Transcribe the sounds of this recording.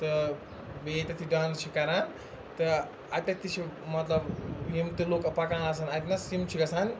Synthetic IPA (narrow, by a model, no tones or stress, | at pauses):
t̪ɐ | beːt̪ɐt̪ʰiɖãːnst͡ʃʰikɐɾan | t̪ɐ | ɐt̪ɐt̪ʰit͡ʃʰimɐt̪lɐbɦimt̪eloːkɐpakãːɐsanɐt̪nɐsimt͡ʃʰiɡɐsan